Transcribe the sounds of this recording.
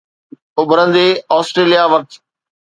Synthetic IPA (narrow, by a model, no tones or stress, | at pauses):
ʊbʱəɾə̃n̆d̪eːɔːsʈɾeːlijaʋɐk̚t̪